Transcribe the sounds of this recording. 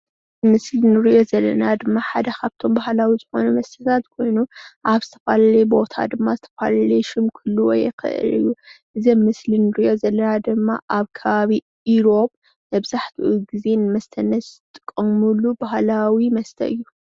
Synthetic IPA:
mɨslinɨɾiʔo̞zɐlːɐ̰nad̪ɨmːaħad̪ɐkʰaβt̪ʰo̞mbahlawizɨxo̞̰numɐst̪ʰɐnat̪kʰo̞jnuʔaβzɨt̪ʰɐfalɐlɐbo̞t̪ʰa̰d̪ɨmːazɨt̪ʰɐ̥fa̰laleʃɨmkʰɨlːuwɔ̰jɛ̰xɨ̰ʔɨ̰lɨ̰jːuʔɨzɐmːɨslinɨɾiʔo̞zɐlːɐnad̪ɨmːaʔaβkʰɐβaβi | iɾo̞pʼ | mɐβzaħt̪ʰiʔuɡize̞nɨmɐst̪ʰɐnːɐt̪t̪ʼɨ̥kʼːɐmulubahlawimɐst̪ʰɐ̰ʔɨjːu

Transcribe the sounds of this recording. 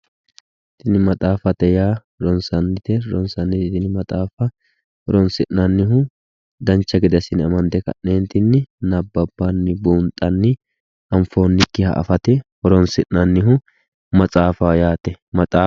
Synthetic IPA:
t̪ɪnɪmɐt̪ʼaːfɐt̪ɛjaː | ɾɔnsɐnːɪt̪ɛɾɔnsɐnːɪɪt̪ɪnɪmɐt̪ʼaːfɐ | hɔɾɔnsɪnːɐnːɪɦʊ | d̪ɐnt͡ʃːɐɡɪd̪ɐsɪnɪɐmɐnd̪ɛkɐ̰ʔːeːnt̪ɪnːɪnɐbːɐbːɐnːɪbuːnt̪ʼːɐnːɪ | ɐmfo̞ːnːɪkːɪhɐ̰ʔɐ̰fɐt̪ɛhɔɾɔnsɪʔnɐnːɪɦʊ | mɐt͡sʼaːfaːjaːt̪ɛmɐt̪ʼaː

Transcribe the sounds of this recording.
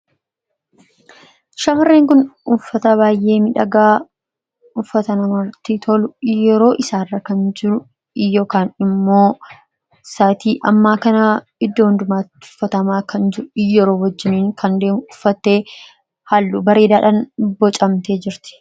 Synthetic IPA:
ʃɐmɐrːeːŋkʊnʊfːɐt̪ɐbaːjʔe̞ːmɪᶑɐɡaː | ʊfːɐt̪ɐnɐmɐɾt̪it̪ʰɔlʊjɛɾo̞ːʔɪsaːrːɐkɐnd͡ʒɪɾʊ | joːkaːnɪmːo̞ː | saːt̪iːʔɐmːaːkɐnɐ | ɪd̪ːoːhnd̪ʊmaːt̪ʊ̥fːɐt̪ɐmaːkʰɐnd͡ʒɪɾʊjːɛɾo̞ːwɐd͡ʒːɪniːŋkʰɐnd̪eːmʊfːɐt̪ːe̞ː | halːuːbɐɾe̞ːd̪aːᶑɐnbɔt͡ʃʼɐmt̪e̞ːd͡ʒɪɾt̪ɪ̥

